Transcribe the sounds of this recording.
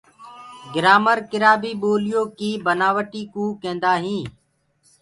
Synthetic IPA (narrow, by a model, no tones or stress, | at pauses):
ɡɪɾaːməɾkɪɾaːbiːɓoːlɪjoːkiːbənaːʋəʈiːkuːkẽːnd̪aːɦĩː